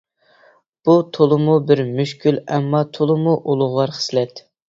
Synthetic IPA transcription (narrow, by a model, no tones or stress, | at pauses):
b̥ut̪ʰolˠɨmubɪɾmyʃkʲʰylɛmːɑt̪ʰolˠɨmuʔolˠʊʁwˠɑɾχə̥slɛt̪